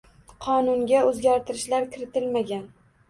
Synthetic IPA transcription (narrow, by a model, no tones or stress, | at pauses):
qʰɒnʊŋɡʲaɵzɡʲaɾt̪ɪɾɪʃlaɾkʲʰɪɾɪt̪ʰɪlmaɡʲan